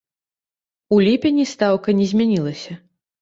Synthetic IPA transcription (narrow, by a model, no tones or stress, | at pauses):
ulʲipʲenʲist̪awkɐnʲɛzʲmʲanʲilˠɐsʲɐ